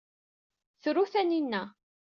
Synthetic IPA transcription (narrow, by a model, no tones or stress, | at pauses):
θɾuθæninːæ